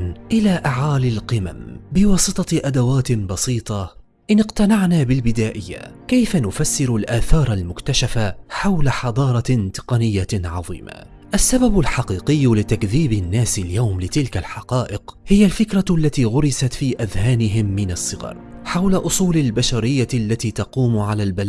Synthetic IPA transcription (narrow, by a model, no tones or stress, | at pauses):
nʔɪlaːʔaʕaːlalqɪma̰mbɪwɑːsˤɨt̪ˤɑʔad̪awaːt̪nbɑsiːt̪ˤɑ | ʔɪnɪqt̪anaʕnaːbɪlbɪd̪aːʔɪjːa̰kajfanʊfasːɪɾʊlʔaːθɑːɾˤalmʊkt̪aʃafaħawlaħɑd̪ˤɑːɾˤɑt̪ɪ̥qɑnɪjːaʕɑ̰ðˤḭːma̰ | ʔasːababʊlħɑqiːqɪjːlɪt̪akðiːbɪnːaːsaljawmlɪt̪ɪlkalħɑqɑːʔɪqhɪjalfɪkɾˤaʔlːat̪iːɣʊɾɪsat̪fiːʔaðhaːnɪɦɪmːɪnaɑsˤːɨɣɑ̰ɾˤħawlaʔʊsˤuːlalbaʃaɾɪjːalːat̪iːt̪ɑquːmʕalaːlbal